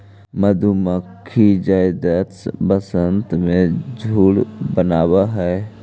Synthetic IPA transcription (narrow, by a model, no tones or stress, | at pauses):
məd̪ʱuməkʰːid͡ʒajd̪ət̪sbəsənt̪mẽd͡ʒʱuːɽbənaːbaɦɛ